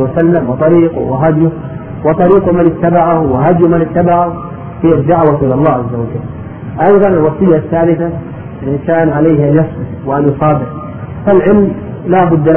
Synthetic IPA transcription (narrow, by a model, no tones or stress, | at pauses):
wasalːamwɨt̪ˤɑɾiːqṵwaɦad̪ju | wɨt̪ˤɑɾiːqumanɪt̪ːabaʕahuwaɦad̪jumanɪt̪ːabaʕah | hijad̪ːaʕwaʔɪlɑlˤːɑːʕazːawad͡ʒalː | ʔɑjðˤɑnalwɑsˤɨjːaθːaːlɪθa | lʔɪnʃaːnʕalejhʔanjɑsˤbɪfwɪʔanjʊsˤɑːb̪ɪɾ | falʕɪlm | laːbʊd̪ː